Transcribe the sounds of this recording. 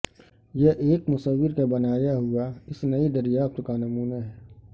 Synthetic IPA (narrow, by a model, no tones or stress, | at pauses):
jeʔeːkmʊsəwːɪɾkabɐnaːjaɦʊaɪsnɐid̪ɐɾijaːp̚t̪ʊkanɐmuːnaɦɛː